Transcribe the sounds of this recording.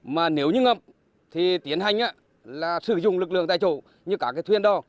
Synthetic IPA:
maː˨˩ne˨˦wɲɨ˧ŋə˨˩p̚ | t̪ʰi˨˩t̪i˨˦ənɦa˨˩jŋ̟ʔaː˧˦ | laː˨˩sɨ̰˧˩zʊ̰˧˨ŋ͡mlɨ˨˩k̚lɨ̰˧˨əŋaː˧˨˩jt͡ɕo̰˧˩ | ɲɨ˧kaː˧˥kaː˨˦jt̪ʰwi˧ənɗɔ˨˦

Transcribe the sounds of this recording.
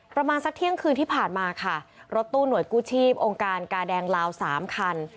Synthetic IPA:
pɾa˧maː˧nsa˦˥k̚t̪ʰi˥˩əŋkʰɯː˧nt̪ʰiː˥˩pʰaː˨˩nmaː˧kʰa˥˩ɾo˦˥t̪ːuː˥˩nu˩˦jkuː˥˩t͡ɕʰiː˥˩p̚ʔoː˧ŋkaː˧nkaː˧dɛː˧ŋlaː˧wsaː˩˦mkʰa˧n

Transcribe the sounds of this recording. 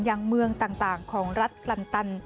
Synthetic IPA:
njaː˧ŋmɯ˧əŋt̪aː˨˩ŋt̪aː˨˩ŋkʰɔː˩˦ŋɾa˦˥t̪̚kla˧nt̪a˧n

